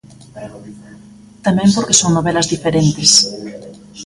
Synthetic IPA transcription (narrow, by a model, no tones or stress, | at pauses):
t̪amẽmpoɾke̥soŋnoβelazðifeɾent̪es